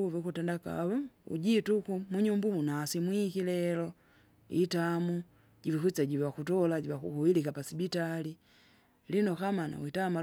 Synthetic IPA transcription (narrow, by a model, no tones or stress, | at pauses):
uvikutɛndaka̰βɔṵɟitukumuɲumbumunaːsimwikilɛlɔ | itamu | ɟivikut͡saɟivwakutɔlaɟiwakuhuwilikapasibitali | linɔkamana̰witama